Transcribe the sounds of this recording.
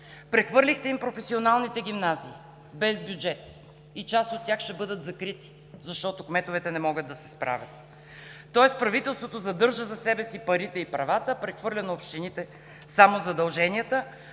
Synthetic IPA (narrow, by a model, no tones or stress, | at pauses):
pɾɛxvɤɾlʲixt̪ɛimpɾofɛsionalˠnit̪ɛɡ̟ʲimnaziː | bɛzbjud͡ʒɛt̪̚ | it͡ʃast̪ot̪ːʲjaxʃt̪ɛbɤd̪ət̪zɐkɾit̪i̥ | zɐʃt̪ɔt̪okmɛt̪ovɛt̪ɛnɛmɔɡəd̪ːɐsɛ̥spɾa̰vʲət̪̚ː | ɔɛspɾɐvit̪ɛlˠst̪vot̪ozɐd̪ɤɾʒəzɐsɛbɛsipɐɾit̪ɛipɾɐvat̪əpɾɛxvɤɾlʲənɐopʃt̪init̪ɛ | samozɐd̪ɐlˠʒɛniət̪ə